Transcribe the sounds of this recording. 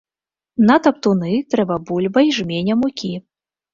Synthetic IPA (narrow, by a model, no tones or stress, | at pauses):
nɐt̪ɐp̚t̪unɨt̪ɾɛbɐbulʲbɐjʐmʲenʲɐmukʲi